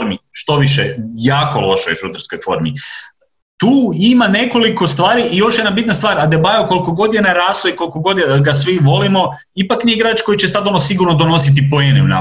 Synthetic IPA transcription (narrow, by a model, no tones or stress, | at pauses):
miʃt̪o̞ʋiʃejaːko̞lˠo̞ʃojeʃud̪ɾsko̞jfo̞̰ɾmii | t̪uːimane̞ko̞liko̞st̪ʋaːɾiʔijo̞ʃje̞d̪nabit̪nast̪ʋaːɾad̪ebajokolˠikoɡo̞d̪jenaɾaːslˠoiko̞lˠikoɡo̞d̪ɡasʋiʋo̞limo̞ | ipaknieɡɾaːt͡ʃko̞jit͡ɕesad̪o̞nosiɡuɾnod̪o̞no̞s̬it̪̬ipojeneṵna̰